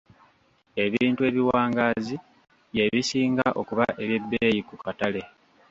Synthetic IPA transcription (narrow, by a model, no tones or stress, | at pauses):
e̞βiiːntue̞ːβiwaːŋɡaːzi | βje̞βisiːŋɡaʔo̞kuβaʔe̞βjebːejikukatale̞